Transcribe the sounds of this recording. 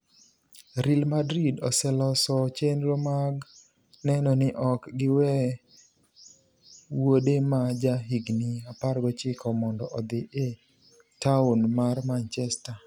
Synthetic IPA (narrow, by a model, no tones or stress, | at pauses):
ɾilmadɾidɔsɛlɔsɔt͡ʃenɾomaɡ | nɛnɔnɪʔɔkɡɪwɛ | wodemad͡ʒaɦiɡniaparɡɔt͡ʃɪkʰɔmɔndɔʔɔd̪ɪʔe | taunmarmant͡ʃɛsta